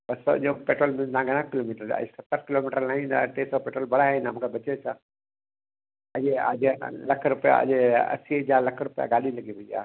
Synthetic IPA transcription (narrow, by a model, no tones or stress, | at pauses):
bəsəd͡ʒopeʈɾolmẽnãɡɐñãkilomiʈəɾa̰sɐt̪ːəɾkilomiʈəɾnaːɦĩna̰ʈesɔpeːʈɾolbɐɽaɦenamkabət͡ʃet͡ʃʰa | əd͡ʒea̰ːd͡ʒelɐkʰɾʊpja̰ə̰d͡ʒeɐ̰sid͡ʒaːlɐkʰɾʊpja̰ɡaːliləɡibʱəd͡ʒa̰